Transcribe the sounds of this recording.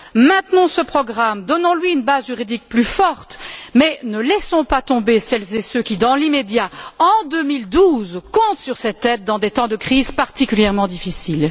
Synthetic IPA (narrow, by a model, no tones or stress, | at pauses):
mɛ̃t̪nɔ̃səpχɔɡʁamd̪ɔnɑ̃lɥiynbazʒyʁid̪ik̚plyfɔʁt̪mɛnəlɛsɔ̃pat̪ɔ̃besɛlzesøkʲid̪ɑ̃limed̪jaɑ̃d̪ømild̪uzkɔ̃t̪syʁsɛt̪ɛt̪̚d̪ɑ̃d̪et̪ɑ̃d̪əkχizpaʁt̪ikʲyljɛʁmɑ̃d̪ifisil